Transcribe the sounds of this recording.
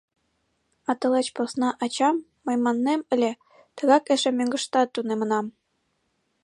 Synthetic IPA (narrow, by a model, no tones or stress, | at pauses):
ɑt̪ɤ̆let͡ɕposnɑʔɑt͡ɕɑmːɤ̆jmɑnːemɘ̆lʲĕ | t̪ɤ̆ɣɑkeʃĕmʲøŋɡə̆ʃt̪ɑt̪ːunemɤ̆nɑm